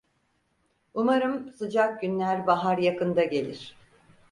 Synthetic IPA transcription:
umaɾɯmsɯd͡ʒak̚ɟynlʲæɾbaɦaɾjakɯnd̪aɟe̞lʲiɾ̥

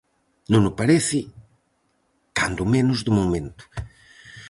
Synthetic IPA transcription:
nũnʊpaɾɛsɪ | k̪ãnd̪umẽnʊzðumomẽnt̪u̥

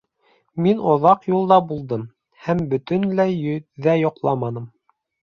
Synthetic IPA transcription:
minŏðɑqjulˠd̪ɑbulˠd̪ɤm | hæmbɵ̆t̪ɵnlæjɵ̆ðæjŏqlˠɑmɑnɤm

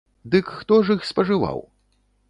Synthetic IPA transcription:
d̪ɨkxt̪ɔʐixspɐʐɨva̰w

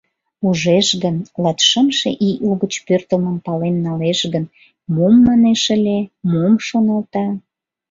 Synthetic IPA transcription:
uʒeʃɣənlɑt̪ʃəmʃḛʔiʔoɣət͡ɕpørt̪əməmpɑlenːɑleʃɣən | momːɑneʃə̆lʲemomʃonɑlt̪ɑ

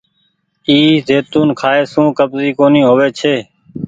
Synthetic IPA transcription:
iːzeːt̪uːnkʰaːeːsũːkəbziːkoːniːɦoːʋeːt͡ʃʰeː

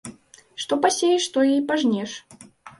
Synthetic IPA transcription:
ʂt̪ɔpasʲejɛʂt̪ɔjɛjpaʐnʲɛʂ

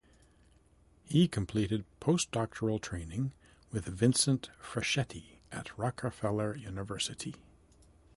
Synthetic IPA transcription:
hikʰmpʰl̥iɾɨd̚pʰoʊsd̥ɑk̚t͡ʃʰə˞l̩ˠtʰɹ̥ẽɪ̃nɪ̃ŋ | wɨðvɪ̃nsɨ̃ntfɹɨʃɛɾiʔɨ̰t̚ʰɹɑkʰəfɛlˠə˞jʉnɨvɜ˞sɨɾi

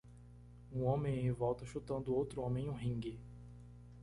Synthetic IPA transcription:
ũõmẽj̃ẽvɔwt̪ɐʃut̪ɐ̃nd̪ʊowt̪ɾʊõmẽj̃ũɦĩŋɡɪ

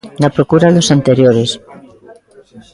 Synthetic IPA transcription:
napɾokuɾaðosant̪eɾjoɾes

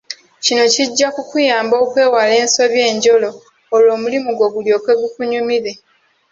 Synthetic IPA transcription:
cino̞ciɟːakukujaːmbo̞ːkwe̞ːwale̞ːnso̞βje̞ːɲɟo̞lo̞ː | lo̞ːmulimuɡo̞ɡuljo̞ːkwe̞ɡukuɲumiɾe

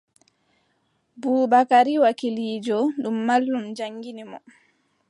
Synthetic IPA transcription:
buːbakaɾiwakiliːd͡ʒɔɗumːalːumd͡ʒaŋɡinimɔ

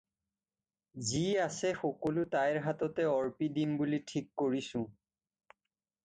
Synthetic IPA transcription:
ziasɛxɔkɔlʊtajɹɦatɔtɛɔɹpidimbulitʰikːoɹisʊ̃

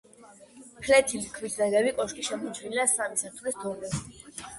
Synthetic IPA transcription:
pʰlɛt̪ʰilkʰvisd̪ɛʁɛbikʼɔʃkʼiʃɛmɔt͡ʃʰvilasamisaɾt̪ʰvlist̪ʰɔɾnɛ

